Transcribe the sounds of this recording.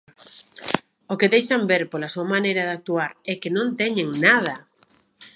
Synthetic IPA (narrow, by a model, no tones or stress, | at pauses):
okɪðejʃambeɾpolasuamanejɾɐðak̚t̪uaɾɛkenõnt̪ɛɲeŋnað̞ɐ